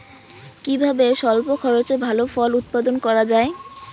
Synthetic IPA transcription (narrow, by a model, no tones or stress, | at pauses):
kibʱabeʃɔlpokʰɔɾot͡ɕebʱalofɔlut̪̚pad̪onkɔɾad͡ʑae